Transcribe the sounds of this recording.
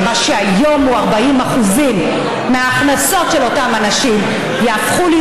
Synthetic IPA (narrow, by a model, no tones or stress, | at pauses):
maʃeajo̞muaʁbaimaχuzimː | eaːχnaso̞tʃelotamanaʃim | jaːfχuli